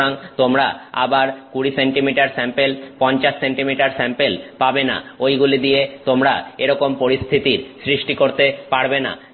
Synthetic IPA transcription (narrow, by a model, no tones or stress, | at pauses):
aŋt̪omɾaa̰baɾkuɽiseɳʈimiʈaɾsɛmpelpɔɲt͡ɕaʃːeɳʈimiʈaɾsɛmpelpabena̰ojɡulid̪ijet̪omɾa̰eɾɔkompoɾist̪ʰit̪iɾsɾiʃʈikoɾt̪epaɾbena̰